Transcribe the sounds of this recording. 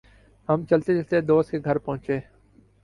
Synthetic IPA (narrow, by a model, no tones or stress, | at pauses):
ɦəmt͡ʃəlt̪et͡ʃəlt̪ed̪oːst̪̚keɡʱəɾpəɦʊ̃t͡ʃeː